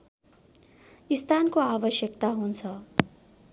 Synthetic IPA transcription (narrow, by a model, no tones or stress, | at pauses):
ist̪ʰankoabʌsjʌkt̪aɦunt͡sʰʌ